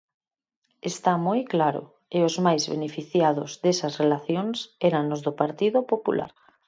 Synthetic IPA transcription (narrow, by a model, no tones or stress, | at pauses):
est̪amojklaɾʊ̰ | eʊzmajzβḛnefiθjaðʊzðesɐsrelaθjoŋsɛɾanːozðʊpaɾt̪iðopopṵlʔa̰ɾ